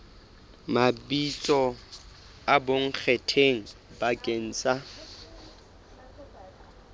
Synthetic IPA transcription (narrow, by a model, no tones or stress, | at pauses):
mabit͡sʼɔ | aboŋ̩k͡xʰɛtʰeŋ̩bakʼen̩ːt͡sʼa